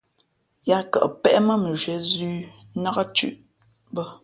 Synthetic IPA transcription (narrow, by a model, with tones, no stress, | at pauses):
ja˦kə̰˨ʔpɛ˦ʔmə˦mə˨ʒɥɛ˨˦zʉː˦ | na˦ɣə˦t͡ʃʉ̰˦˨ʔ | bə˦